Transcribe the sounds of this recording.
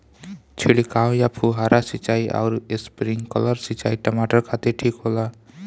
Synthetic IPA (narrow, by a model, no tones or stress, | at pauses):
t͡ʃʰilikaõjapʰuɦaɾasit͡ʃaiʔa̰ʊɾespɾiŋkələɾsit͡ʃaiʈəmaʈəɾkʰat̪eʈʰikɦola